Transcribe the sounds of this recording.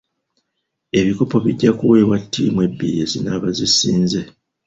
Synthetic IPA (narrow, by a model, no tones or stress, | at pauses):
e̞βiko̞po̞βiɟːakuwe̞ːβwatʰːiːmwe̞bːḭje̞zinaβazisiːnze̞